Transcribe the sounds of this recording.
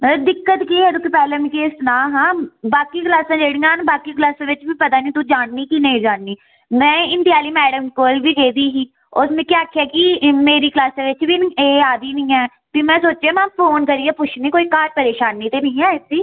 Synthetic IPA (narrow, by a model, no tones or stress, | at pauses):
d̪ɪkːət̪kiːɦɛːd̪ʊk̪ɪpɛːlẽːmĩːkeːsnãːɦãːbaːkiːklaːsãːd͡ʒeːɽĩːãːnbaːkiːklaːsãːʋɪt͡ʃbiːpət̪aːnĩːt̪ũːd͡ʒaːɳniːkinəĩːd͡ʒaːɳniː | mɛ̃ːɪnt̪ɪjaːliːmɛːɖəmkoːlbiːd̪eːd̪iːɦiː | ʊsmẽːkaːaːkʰjaːkɪmeːɾiːklaːsãːʋɪt͡ʃbiːeːaːd̪iːnĩːɛː | piːmɛ̃ːsoːt͡ʃãːmɛ̃ːpʰoːnkəɾiːɛːpʊʃʰnĩːkoːiːkaːɾpəɾeːʃaːnːiːt̪eːnəĩːɛ̃ːsiː